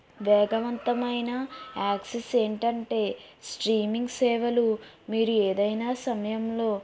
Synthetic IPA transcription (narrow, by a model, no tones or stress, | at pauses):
ʋɛːɡɐʋɐnt̪ɐmɐjnɐaːksese̞ːɳʈɐɳʈe̞ːsʈɾiːmiŋɡsɛːʋɐlumiːɾueːd̪ɐjnaːsɐmɐjɐmlo̞ː